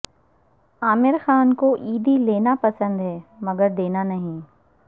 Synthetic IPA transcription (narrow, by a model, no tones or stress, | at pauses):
aːmɪɾxaːnkoʔiːd̪ileːnapɐsə̃nd̪ɦɛːmɐɡəɾd̪eːnanɐɦĩ